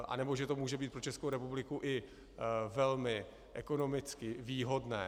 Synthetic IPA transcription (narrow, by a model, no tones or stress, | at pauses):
ʔa̰nɛbo̞ʒɛt̪o̞muːʒɛbiːt̪pɾot͡ʃɛskowɾɛpublɪkuʔɪ | vɛlmɪ | ʔɛko̞no̞mɪt͡skɪviːɦo̞dnɛ̰ː